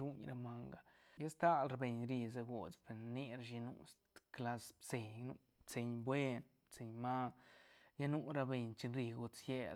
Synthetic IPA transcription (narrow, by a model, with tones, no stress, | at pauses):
ɾu˦ɲɾa˧ma˧ŋɡa˨ja˦st̪a˦lɾa˧be˨ɲɾi˧za˧ɡo˨t͡spe˨nni˦ɾa˧ʃi˧nṵ˧st̪kla˧sbse˨ɲnu˧ | bt͡se˧ɲbwe˦n | bt͡se˧ɲma˦ | ja˦nu˦ɾa˧be˧ɲt͡ʃi˧nɾi˧ɡo˧t͡sje˧